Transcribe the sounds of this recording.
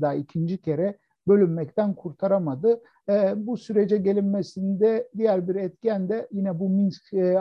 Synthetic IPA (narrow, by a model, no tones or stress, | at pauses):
d̪aːicʰind͡ʒicʰe̞ɾɛ | bø̞lʲymːɛct̪ʰænkʰuɾt̪ʰaɾamad̪ɯ | busyɾe̞d͡ʒɛɟe̞lʲinmesind̪ɛd̪ijæɾbiɾɛt̪̚ciænd̪ɛjinɛbuminskː